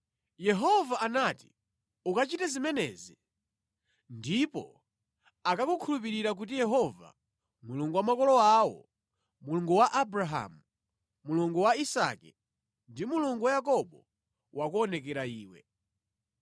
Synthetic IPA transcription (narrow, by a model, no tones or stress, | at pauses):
jɛɦɔvaanati̥ | ukat͡ʃitɛzimɛnɛːzi | ndipɔ̰ | akakukʰulup̬iɾiɾak̬ut̬ijɛɦɔva̰ | muluŋɡuwamakɔlɔawɔ̰ | muluŋɡuwaʔabɾaɦa̰mu | muluŋɡuwaisa̰kɛ | ndimuluŋɡuwajakɔɓɔ | wakuɔnɛk̬ɛɾaiːwɛ̰